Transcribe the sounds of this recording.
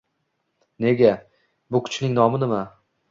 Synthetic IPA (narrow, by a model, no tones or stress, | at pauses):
ne̞ɡʲa | bʊkʰʊ̥t͡ʃʰnɪŋnɒmɪnɪma